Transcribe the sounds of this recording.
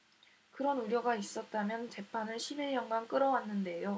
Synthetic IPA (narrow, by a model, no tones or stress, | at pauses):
kɯɾʌnuɾjʌɡais͈ʌt̚t͈amjʌnt͡ɕe̞pʰanɯɭɕʰibiɲʌnɡank͈ɯɾʌwanːɯnde̞jo